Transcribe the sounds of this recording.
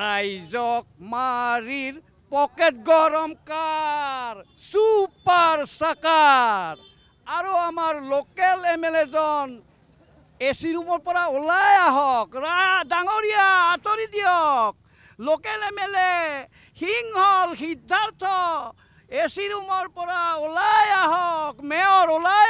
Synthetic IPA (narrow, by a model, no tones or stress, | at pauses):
ajzɔk̚maɹiɹ | pɔkɛt̚ɡɔɹɔmka | ɹ | supaɹsakaɹ | aɹuamaɹlokɛlɛmɛlezɔn | esiɾumɔɹpɔɹaolajaɦɔkajdaŋoɾijaːt̪oɾid̪ijɔk̚ | lokɛlɛmɛle | hiŋhɔlxidʱːant̪ʰɔ | esiɾumɔɹpɔɹaolajaɦɔkmɛɔɹola